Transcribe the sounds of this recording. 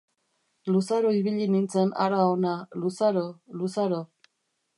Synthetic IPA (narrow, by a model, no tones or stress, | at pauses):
lusaɾoiβiʎinint͡se̞na̰ɾaonalusaɾolusaɾo